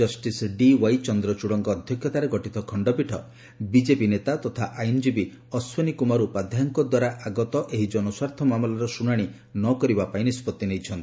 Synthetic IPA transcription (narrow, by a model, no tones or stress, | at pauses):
d͡ʒɔsʈisɖiwajt͡ʃɔnd̪ɾɔt͡ʃuɽɔŋkɔːd̪ʱjɔkʰjɔt̪aɾeɡɔʈit̪ɔkʰɔɳɖɔpiʈʰɔ | bid͡ʒepinet̪at̪ɔt̪ʰaʔajnd͡ʒibi | ɔswɔnikumaɾupad̪ʱjaŋkɔd̪waɾaʔaɡɔt̪ɔʔeɦid͡ʒɔnɔswaɾt̪ʰɔmamlɔɾɔsuɽaɽ̃i | nɔkɔɾibapainispɔt̪ːinejt͡ʃʰɔnt̪i